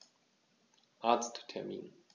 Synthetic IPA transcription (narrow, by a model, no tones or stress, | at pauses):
ʔaːt͡sttʰɛɐmiːn